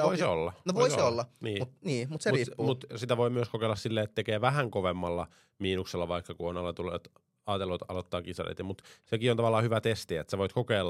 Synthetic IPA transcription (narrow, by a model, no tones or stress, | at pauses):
oiso̰lːɑnoʋoisolːɑniːmut̪niːmusermiːumut̪sit̪æʋoimyøskokeilːɑssilːeːet̪t̪ekeːʋæhæŋkoʋemːɑlːɑ | miːnukselːɑʋɑikːɑkuonɑlet̪ulːḛt̪ | ɑːt̪elːot̪ɑ̰lot̪ːɑːkisɑ̰rḛt̪jɑmut̪sekiont̪ɑʋɑlːˑɑːhyʋæt̪est̪iet̪seʋoit̪kokeːlː